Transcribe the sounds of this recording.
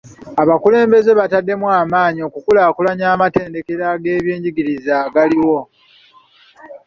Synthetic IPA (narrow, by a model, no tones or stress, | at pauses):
aβakule̞ːmbe̞ze̞βatadːe̞mwaːmaːɲio̞kukulaːkulaɲaːmate̞ːnde̞ke̞ɾaɡe̞ːβje̞ːɲɟiɡiɾizaːɡaliwo̞